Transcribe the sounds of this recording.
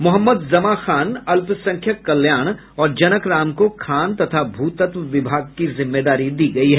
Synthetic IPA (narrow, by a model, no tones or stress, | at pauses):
mʊɦəmːəd̪zɐmaxaːnɐlpsɐ̃ŋkʰjəkːɐljaːɽ̃ | ɔːɾd͡ʒɐnəkɾaːmkokʰaːnt̪ɐt̪ʰabʱuːt̪ət̪ʋʋɪbʱaːɡ̚kizɪmːeːd̪aːɾid̪iːɡɐiɦɛː